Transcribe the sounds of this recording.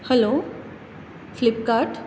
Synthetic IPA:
hɛlo | flɪp̚kaːɾʈ

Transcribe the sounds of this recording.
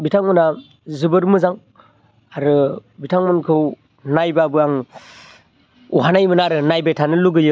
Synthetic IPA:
bitʰaŋmɯna | zɯbɯɾmɯzaŋ | aɾɯbitʰaŋmɯnkʰɯw | najbabɯaŋ | uɦanajmɯnaɾɯnajbetʰanɯluɡɯjɯ

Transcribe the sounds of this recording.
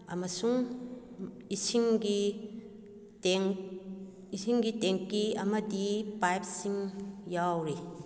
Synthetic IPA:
ɐmɐsuŋ | isiŋɡi | ŋ | isʰiŋɡitɛŋkːiɐmɐdipajp̚siŋjawɾe

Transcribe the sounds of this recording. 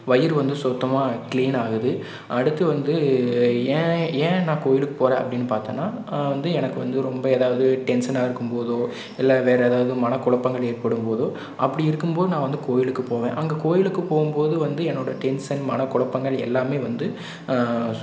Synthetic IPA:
ʋɐjɪɾʋɐnd̪ɯsɔt̪ːɐmaːkɪɭiːnaːɣɯðɯ | ɐɽɯt̪ːɯʋɐnd̪ɯ | ẽːẽːnãːkoːjɪlɯkːɯ̥poːɾẽːɐ̰pːɐɽɪnːɯpaːɾt̪eːnːaːʋɐnd̪ɯɛnɐkːɯʋɐnd̪ɯɾɔmbɐeːðaːʋɐðɯʈɛnsɐnaːɪɾɯkːɯmpoːðoː | ɛlːaʋeːɾɐeːðaːʋɐðɯmɐnɐkʊɭɐpːɐŋɡɐɭeːɾpɐɽɯmpoːðoː | ʔɐpːɐɽiɪɾɯkːɯmpoːðɯnãːʋɐnd̪ɯkoːjɪlɯkːɯpoːʋḛ̃ːʔɐŋɡekoːjɪlɯkːɯpoːɣɯmpoːðɯʋɐnd̪ɯɛnːoːɽɐʈɛnsɐnmɐnɐkʊɭɐpːɐŋɡɐɭɛ̰lːaːmeːʋɐnd̪ɯ

